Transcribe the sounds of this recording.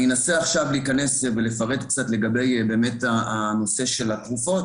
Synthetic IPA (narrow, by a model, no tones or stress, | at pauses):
enaseaχʃavliːkane̞svelefaʁe̞t̪k̚t͡sat̪le̞ɡabe̞jbe̞ːme̞taano̞se̞ʃe̞lat̪ʁufo̞t̚